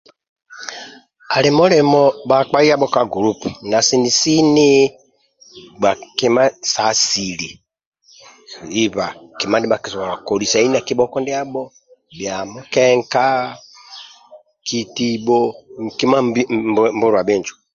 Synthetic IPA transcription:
a˨lɛ˨mɔ˦lɛ˨mɔ˨ba˨k͡pa˦i˦a˦ɓɔ˦ka˦ɡu˨ɾu˦pna˨si˨ni˨si˦ni˦ | ɡ͡ba˨ke˦ma˦sa˨si˨li˨ | i˦βa˨ki˨ma˦ndi˦ɓa˨ksa˨a˨kɔ˨li˨sa˨i˦na˨ki˦ɓɔ˦kɔ˦ndɛ˦a˦bɔ˦ | bja˨mɔ˦kɛ˦ŋka˦ | kʰi˨ti˦ɓɔ˦ki˦ma˦mm˦bu˦ɾwa˨ɓe˦nd͡ʒɔ̥˨

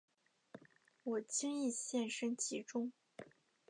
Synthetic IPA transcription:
wɔ˨˩t͡ɕi˥ŋi˥˧ɕjɛ˥˩nʂə˥nt͡ɕʰi˧˥ʈ͡ʂʊ˥ŋ

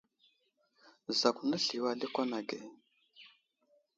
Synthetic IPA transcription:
za˨ku˨na˦ɬi˨wa˨li˦kɔ˦na˨ɡɛ˨

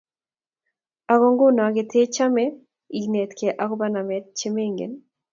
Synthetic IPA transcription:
a˨ɡɔ˦ŋɡʊ˦nɔ˨a˨ɡɪ˨t̪e˦t͡ʃa˦me˦ | i˨ne˨t̪ke˨ʔa˦kɔ˦ba˦na˨mɛ˦t̪̚t͡ʃe˦me˦ŋɡḛ˨n

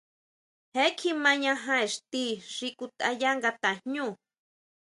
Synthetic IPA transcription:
he˦kʰimã˦ɲã˦ɦã˦e˨ʂt̪i˦ʐ̥iku˧t̪a˧ja˦ŋɡat̪a˨hɲũ˦

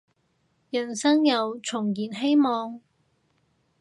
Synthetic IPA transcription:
jɐ˨˩nsɐ˥ŋjɐ˨wt͡ʃʰʊ˨˩ŋjiː˨˩nɦe˥jmɔː˨˧ŋ

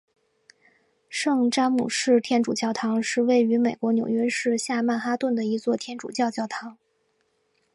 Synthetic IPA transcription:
ʂɤ˥˧ŋʈ͡ʂa˥ŋmṵ˨˩ʂɻ̩˥˧t̪ʰjɛ˥nʈ͡ʂu˨˩t͡ɕjɑ˥˩ʊt̪ʰɑ˧˥ŋʂɻ̩˥˧we˥˩ɪy˧˥me˨˩ɪkwɔ˧˥njʊ˨˩ŋɥɛ˥ʂɻ̩˥˧ɕja˥˧ma˥˩xa˥t̪wə˥˩nd̪ə˩i˧˥t͡swɔ˥˩t̪ʰjɛ˥nʈ͡ʂṵ˨˩t͡ɕjɑ˥˧ʊt͡ɕjɑ˥˩ʊt̪ʰɑ˧˥ŋ

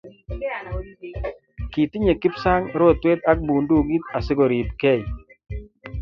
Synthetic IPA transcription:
ki˨t̪ɪ˦ɲe˨kɪ˦psa˦ŋɾo˦˨t̪we˦t̪a˦k̚bu˨ndu˦˨ɡi˦t̪a˨sɪ˦ɡo˨ɾi˨pkɛ˦˨j

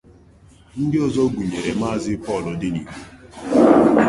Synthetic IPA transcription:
n̩˦dɪ˦ɔ˦zɔ˦ɡʷu˨ɲe˨ɾe˨ma˦˨zɪ˦pɔ˦˨lɔ˨dɪ˦ni˨ku˦

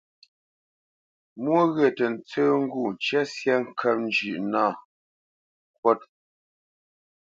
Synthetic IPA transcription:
mwo˦ɣe˨tə˨n̩˨t͡səː˦ŋ̩˦ɡu˦˨n̩˨t͡ʃɛ˦sjɛ˦ŋ̩˦kʰɛ˦p̚n˦d͡ʒʉ˨ʔnaː˦˨ | kwɔ˦t̚

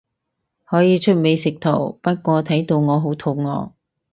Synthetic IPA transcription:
hɔː˨˥jiː˨˧t͡ʃʰɵ˥t̚me˨˧jsɪ˨k̚t̪ʰo˨˩wpɐ˥t̚kʷɔː˧t̪ʰɐ˨˥jt̪o˧wŋɔː˨˧ɦo˨˥wt̪ʰo˨˧wŋɔː˨˧

